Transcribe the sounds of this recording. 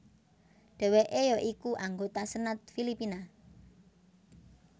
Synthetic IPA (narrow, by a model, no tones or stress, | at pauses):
ɖ̥ɛ̤weʔejɔʔikuʔaŋɡot̪asənət̪̚filipina